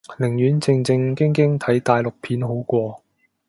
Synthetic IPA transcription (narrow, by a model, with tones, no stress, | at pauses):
lɪ˨˩ŋjyː˨˥nt͡sɪ˧ŋt͡sɪ˧ŋkɪ˥ŋkɪ˥ŋt̪ʰɐ˨˥jt̪aː˨jlʊ˨k̚pʰiː˨˥nɦo˨˥wkʷɔː˧